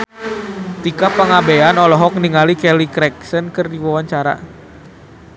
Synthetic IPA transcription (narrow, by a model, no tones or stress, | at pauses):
t̪ikapəŋabejanɔlɔɦɔk̚niŋalikɛlikɾɛksənkɨrdiwawaɲt͡ʃaɾa̰